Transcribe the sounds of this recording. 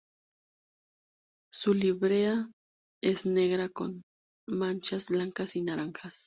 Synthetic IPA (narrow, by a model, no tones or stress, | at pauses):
sʊliβɾea | esneɡɾako̰n | mant͡ʃasblaŋkasinaɾaŋxas